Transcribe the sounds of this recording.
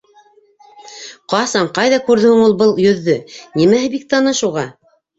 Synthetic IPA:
qɑsɑɴqɑjðɑkʉɾðɵ̆hɵ̆ŋulˠbɤlˠjɵ̆ðːɵnimæɦɘbik̚t̪ɑnɤʃuʁɑ

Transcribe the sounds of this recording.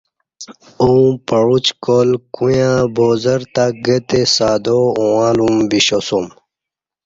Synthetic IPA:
ũpɐɻut͡ɕkoːlkujãboːzɐɾt̪aɡət̪esaːd̪oũwãːlumbiɕosum

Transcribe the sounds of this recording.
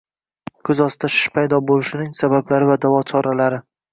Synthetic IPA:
kʰɵzɒst̪ʰaʃɪ̥ʃpʰajd̪ɒbolɪʃɪnɪŋsabablaɾɪvad̪avɒt͡ʃʰɒɾalaɾɪ

